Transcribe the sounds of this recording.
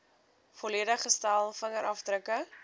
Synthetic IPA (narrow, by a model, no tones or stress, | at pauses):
fɔliədəχəstælˠfəŋəɾʔɐfdrɾəkə